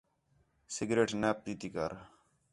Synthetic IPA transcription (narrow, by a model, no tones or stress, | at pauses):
sɪɡɾeːʈnɛːp̚t̪iːt̪iːkə̰ɾ